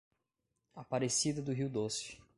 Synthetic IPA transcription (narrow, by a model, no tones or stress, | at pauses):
apaɾesid̪ɐd̪ʊɦiwd̪osjʊ̥